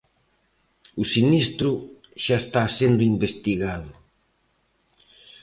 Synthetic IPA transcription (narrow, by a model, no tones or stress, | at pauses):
usinist̪ɾʊ | ʃaest̪asend̪ʊimbest̪iɣaðʊ